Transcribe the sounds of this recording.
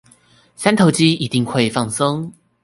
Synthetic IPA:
sa˥nt̪ʰo˨˧˦ʊt͡ɕi˦i˨˩t̪i˥˧ŋxwe˥˧ɪfɑ˥˩ŋsɤ˦ŋ

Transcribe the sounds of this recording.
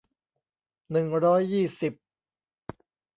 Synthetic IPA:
nɯ˨˩ŋɾɔː˦˥jːiː˥˩si˨˩p̚

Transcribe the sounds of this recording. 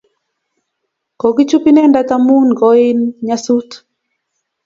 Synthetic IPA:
kɔ˨ɡi˦t͡ʃupi˦nɛ˦nda˦ta˦mu˦nɡɔ˦i˦nɲasu˦t̪

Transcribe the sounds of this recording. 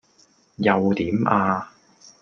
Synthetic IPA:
jɐ˨wt̪iː˨˥mʔaː˧

